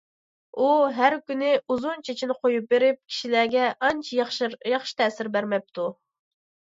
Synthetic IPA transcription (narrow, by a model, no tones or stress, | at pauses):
uɦæɾkʲynɪʔuzunt͡ʃʰet͡ʃʰinɪqojup̚beɾɪp̚kʲʰi̥ʃilæɡʲɛʔɑnt͡ʃʰjɑχʃi̥t̪ʰɛːsɪɾbæɾmɛp̚t̪ʰu